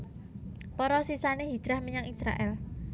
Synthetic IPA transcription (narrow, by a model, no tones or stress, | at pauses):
pɔɾɔsisaneɦid̥d̥ɾahmiɲaŋisɾa̰ʔɛl